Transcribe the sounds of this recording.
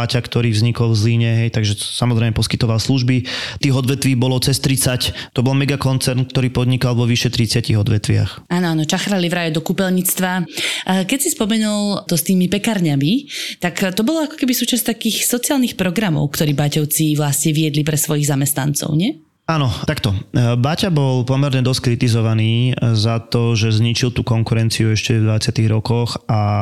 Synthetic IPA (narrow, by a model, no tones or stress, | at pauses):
acakt̪ɔɾiːvzɲikɔlvzliːɲɛɦɛjt̪aɡʒɛsamɔzɾɛɪmɛpɔskit̪ɔʋalsluʒbit̪iːɣɔd̪ʋɛt̪ʋiːbɔlɔt͡sɛst̪ɾit͡sact̪ɔbɔlmɛɡakɔnt͡sɛɾnk̚t̪ɔɾiːpɔd̪ɲikalʋɔʋiʃɛt̪ɾit͡sɪaciɣɔd̪ʋɛt̪ʋɪa̰xaːnɔaːnɔt͡ʃaxɾalivɾaːjɔd̪ɔkupɛlɲit͡st̪ʋa | kɛcsispɔmɛnult̪ɔst̪iːmipɛkaɾɲamit̪akt̪ɔbɔlɔakɔ̥kɛbisuːt͡ʃast̪akiːxsɔt͡siaːlnixpɾɔɡɾamɔ̰ʊkt̪ɔɾiːbacɔʊt͡siʋlasɲɛʋiɛd̪lipɾɛsʋɔjiɣzamɛst̪nant͡sɔ̰ʊɲɪɛ | aːnɔt̪akt̪ɔbacabɔlpɔmɛɾɲɛd̪ɔsckɾit̪izɔʋaniːzat̪ɔʒɛzɲit͡ʃilt̪uːkɔŋkuɾɛnt͡siuɛʃcɛvd̪ʋat͡sɪat̪iɣɾɔkɔxa